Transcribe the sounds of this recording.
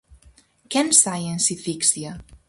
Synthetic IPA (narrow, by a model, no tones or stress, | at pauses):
kɛnsajensifiksia